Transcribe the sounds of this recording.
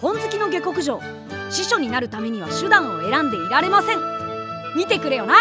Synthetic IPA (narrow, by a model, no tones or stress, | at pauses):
hõ̞nd͡zɨkʲino̞ɡe̞ko̞kɯ̟ʑo̞ː | ɕiɕo̞ɲ̟inaɾɯ̟t̪ame̞ɲ̟iβ̞a̰ɕɨd̪ãɰ̃o̞e̞ɾãnd̪e̞iɾaɾe̞masẽ̞ŋ | mʲit̪e̞kɯ̟ɾe̞jona